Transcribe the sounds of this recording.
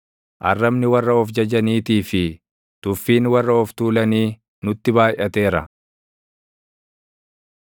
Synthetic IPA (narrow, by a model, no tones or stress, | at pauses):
ʔɐ̰rːɐmnɪwɐrːɐɔfd͡ʒɐd͡ʒɐniːt̪iːfɪ | t̪ʊfːiːnwɐrːɐɔft̪uːlɐniː | nʊt̪ːɪbaːjʔɐt̪eːɾɐ̰